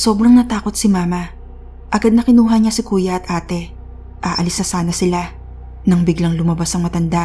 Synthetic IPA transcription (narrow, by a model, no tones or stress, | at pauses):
so̞ːbɾɐŋnɐt̪aːko̞t̪̚sɪmaːmɐ | ʔɐɡad̪nɐkɪnuːɦɐɲasɪkuːjɐʔɐt̪ʔaːt̪ɛ | ʔaːʔɐlɪsnɐsaːnɐsɪla | nɐŋbɪɡlaŋlʊmɐbasɐŋmɐt̪ɐnd̪a